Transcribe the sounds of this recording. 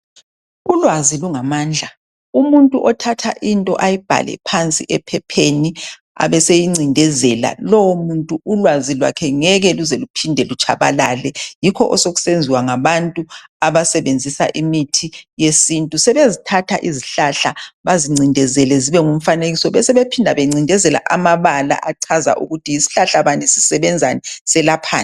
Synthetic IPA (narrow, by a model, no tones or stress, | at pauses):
ulwaziluŋamaːnd͡ɮʱa | umuntʼuʔɔtʰatʰa̰ʔintʼɔ̰ʔajib̥ʱa̰lɛ̰pʰant͡sʼḭʔɛpʰɛpʰeni | a̰βɛsejiŋ͡ǀindʱɛzɛla̰lɔwɔmuntʼuːlwazilwa̰kʰɛŋɛɣɛluzelupʰindʱɛlut͡ʃʼaβalaːlɛjikʰɔʔɔsoɣu̥send͡zʱiwaŋaβantʼuaβasɛβend͡zʱisa̰ʔimitʰijesintʼusɛβezitʰatʰa̰ʔiziɬaɬaβaziŋ͡ǀindʱɛzɛlɛziβɛŋum̩faneɣisɔβɛsɛβepʰindʱaβeŋ͡ǀindʱɛzɛla̰ʔamaβala̰ʔaǀʰaza̰ʔṵɣutʰijisi̥ɬaɬaβanisi̥sɛβɛnd͡zʱanɛsɛlapʰa̰ːna